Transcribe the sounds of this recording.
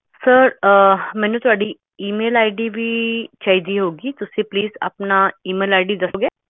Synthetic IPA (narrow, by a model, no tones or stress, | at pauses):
səɾmɛ̃ːnũːt̪ʊaːɖiː | iːmeːlaːɪɖiːʋiːt͡ʃaːɦid̪iːɦoːɡiːt̪ʊsĩːpliːza̰ːpnaːiːmeːlaːɪɖiːd̪əsoːɡeː